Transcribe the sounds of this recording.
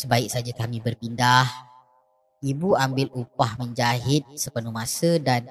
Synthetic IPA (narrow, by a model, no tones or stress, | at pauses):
səbaɪk̚sad͡ʒakamĩbərpindah | ibuambɪlupahməɲd͡ʒaɦɪt̪̚səpənumasədan